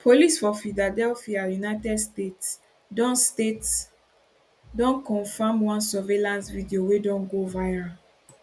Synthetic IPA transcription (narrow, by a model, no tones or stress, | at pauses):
pʰolisfɔfiladɛlfiajunaɪtɛdstets | dɔ̃nstets | dɔ̃nkɔ̃nfãmwãnsɔvelãnsvidiowedɔ̃nɡovaãn